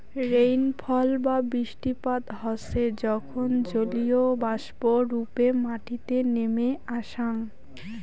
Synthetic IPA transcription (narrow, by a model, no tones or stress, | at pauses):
ɾejnpʰɔlbabɾiʃʈipat̪ɦɔʃed͡ʑɔkʰond͡ʑoliobaʃboɾupemaʈit̪enemeaʃaŋ